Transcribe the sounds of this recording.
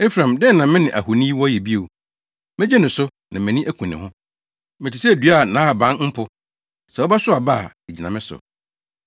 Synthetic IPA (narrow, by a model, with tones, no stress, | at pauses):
e˦fɾã˨mdɛ˦nã˨mɪ̃˦nɪ̃˨ʔæ̰˨hu˨nĩ˦wɔ̃˦jɛ˨bi˦o˨ | mɪ̃˦d͡ʑɛ˦nʊ̃˨sʊ˦ | nã˨mɪ̃˨nĩ˦ʔæ˦kʷʰũ˨nɪ̃˨hʊ̃˦ | mɪ˨tɪ˨sɛ˦˨dɥa˦˨nã˨˦a˨bã˦n˦m̩˦pʰʊ˦ | sɛ˨wɔ˦ba˦sʊ˦a˨ba˦˨e˨d͡ʑi˨nã˨mɪ̃˦sʊ̰˨